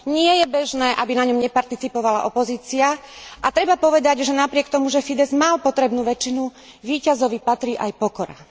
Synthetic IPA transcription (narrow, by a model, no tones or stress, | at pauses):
ɲɪɛjɛbɛʒnɛːʔabinaɲɔmɲɛpaɾt̪it͡sipɔʋala̰ʔɔpɔziːt͡siaʔat̪ɾɛbapɔʋɛd̪aɟʒɛnapɾɪɛkt̪ɔmuʒɛfid̪ɛzmalpɔt̪ɾɛbnuːʋɛt͡ʃinu | ʋiːcazɔʋipat̪ɾiːʔajpɔkɔɾa̰